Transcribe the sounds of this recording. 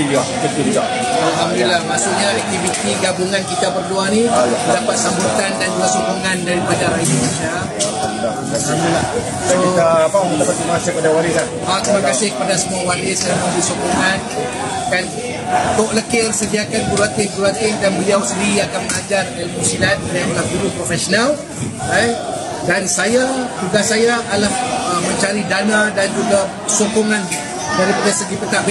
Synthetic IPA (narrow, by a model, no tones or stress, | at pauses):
iɡakət̪ud͡ʒa | alɦamdilahmasuʔɲaɛk̚t̪ifit̪iɡabuŋankit̪abərduanidapat̪̚sambut̪andand͡ʒuɡasokuŋandaɾipadaaindunesia | aa | dasaulah | akit̪apadapat̪̚kimasapadawaɾikan | ak̪imakkasɪhkəpadasəmuawaɾɪsaamudisokuŋan | kan | t̪oʔləkɪrsədiakanbulak̪ɪhdulakɪrdanbəliawsəndiɾiakanməŋad͡ʒardalmusinat̪̚jamolahduɾʊʔpɾofɛsonal | a | dansajat̪uɡasajaʔːlahəmə̃ɲt͡ʃaɾidanãdand͡ʒuɡa | sokoŋan | daɾipadasəɡipət̪aʔb